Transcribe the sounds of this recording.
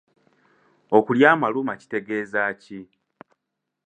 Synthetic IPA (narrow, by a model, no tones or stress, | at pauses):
o̞kuljaːmalumaci̥te̞ɡe̞ːzaːci